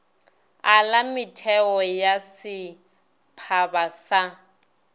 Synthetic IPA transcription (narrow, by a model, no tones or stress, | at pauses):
alamɪtʰɛɔjasɪ | pʰabasa